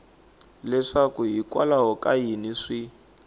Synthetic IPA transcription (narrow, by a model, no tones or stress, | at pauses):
lɛʂakuɦikwalaɦɔkʼajiniʂi